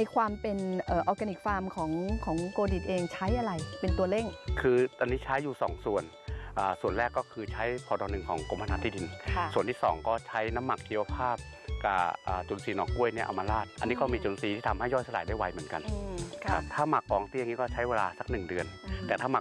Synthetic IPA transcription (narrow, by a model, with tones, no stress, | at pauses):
jkʰwaː˧mpe˧nʔəː˨˩ʔɔ˧ka˧ni˨˩k̚faː˧mkʰɔː˩˦ŋkʰɔː˩˦ŋkoː˧di˨˩t̪̚ʔeː˧ŋt͡ɕʰa˦˥jʔa˧ɾa˧jpe˧nt̪u˧ɐle˥˩ŋkʰɯː˧a˧nːiː˦˥t͡ɕʰa˦˥jːuː˨˩sɔ̰ː˩˦ŋsu˨˩ən | ʔɤː˨˩su˨˩ənlɛː˥˩kːɔː˥˩kʰɯː˧t͡ɕʰa˦˥jpʰɔː˧˩dɔ˧nɯ˨˩ŋkʰɔː˨˩˦ŋko˧˦mʰa˧naː˦t̪ʰːiː˧˩di˧nsu˨˩ənt̪ʰiː˥˩sɔ̰ː˩˦ŋkɔː˥˩t͡ɕʰa˦˥jna˦˥mːa˨˩k̚t͡ɕʰiː˧wa˧pʰaː˥˩p̚ | ka˧˩ʔaː˨˩t͡ɕo˧nsiː˧˩nɔ̰ː˩kʔu˥˩əjni˥˩ʔa̰˧maː˧laː˥˩t̪̚ʔa̰˧nːiː˦˥kɔː˥˩miː˧t͡ɕo˧nsiː˧iː˥˩a˧mha˥˩jːɔː˥˩jsa˧la̰ː˨˦jda˥˩jwa˧˥jmɯ˩˦ə˦nka˧n˧kʰkʰa˦˥p̚t̪ʰaː˥˩ma˨˩kːɔː˩˦ŋt̪i˧˨˧ŋiː˦˥kɔː˥˩t͡ɕʰa˦˥jweː˧laː˧sa˨˧˩k̚nɯ˨˩ŋdɯ˧ənt̪ɛː˨˩t̪ʰaː˥˩ma˨˩